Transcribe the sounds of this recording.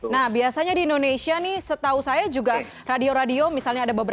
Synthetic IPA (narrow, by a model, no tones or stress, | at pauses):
nahbiasaɲadiːndonesianɪhsət̪ausajad͡ʒuɡa | radioɾadiomisalɲaːdabəbəɾ